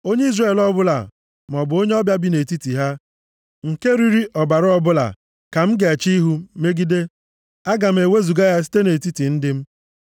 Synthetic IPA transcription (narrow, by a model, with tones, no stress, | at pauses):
o˦ɲe˦i˦zre˦˨lɔ˦bʊ˦la̰˨ | m˨ɔ˨bʊ˨o˦ɲe˦ɔ˦bja˦bi˦ne˨ti˦ti˨ɦa˦ | ŋ̩˨ke˦ɾi˦ɾi˦ʔɔ˨ba˨ɾʊ˦ɔ˦bʊ˦la̰˨ | ka˨m̩˦ɡe˨a˨t͡ʃi˦ɦu˦me˦ɡi˦de˦ | a˦ɡa˨m̩˨e˨we˦zu˨ɡa˦ja˦s̬i̥˦te˦ne˨ti˦ti˨n̩˦dɪ˦m̩˦